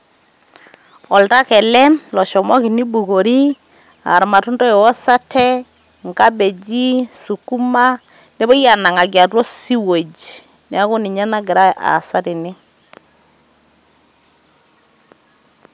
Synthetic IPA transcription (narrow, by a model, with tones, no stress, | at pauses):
ɔ˨lta˦kɛ˨lɛ˦lɔ˨ʃɔ˨mwɔ˦ki˨ni˦bu˨ko˨ɾi˦ | a̰˨ɾma˨tʊ˦ndɔ˦je˨wɔ˦sa˦tʰɛ˦ | ŋka˦be˨d͡ʒi˦su˨ku˦ma˦ | ne˦bɔ˦ja˨na˨ŋa˨ɡja˨twɔ˦si˦wo˨d͡ʒ | nja˦kʊ˦nɪ˨ɲa˦na˦ɡɪ˨ɾa˦a̰˨sa˦tɪ˨nɪ˦